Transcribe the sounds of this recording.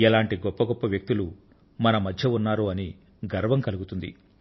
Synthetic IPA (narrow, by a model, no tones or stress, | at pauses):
ɛlaːɳʈiɡɔpːɐɡɔpːɐʋjɐk̚t̪ilu | mɐnɐmɐd̪ʱjɐunːaːɾuɐni | ɡɐɾʋɐŋkɐluɡut̪und̪ḭ